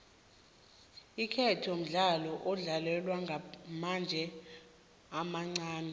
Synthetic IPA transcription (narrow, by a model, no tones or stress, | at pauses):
ikʰɛtʰijom̩ɮalɔʔɔɮalɛlwaŋɡʱamand͡ʒʱɛ | amaŋ͡ǀaːnɛ